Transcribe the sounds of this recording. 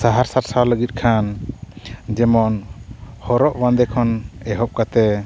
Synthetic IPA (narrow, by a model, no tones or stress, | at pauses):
saɦaɾsaɾsawləɡit̪̚ˀkʰan | d͡ʒɛmɔn | hɔɾɔʔwand̪ɛkʰɔnɛɦɔʔ̚kat̪ɛ